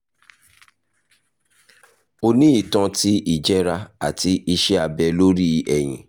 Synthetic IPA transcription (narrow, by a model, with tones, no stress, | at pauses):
o˦nĩ˦i˦˨tã˧ti˦i˦˨d͡ʒɛ˦ɾa˧a̰˨ti˧i˧ʃɛ˦a˧bɛ˧lo˦ɾi˦ɛ˨j̃ĩ˨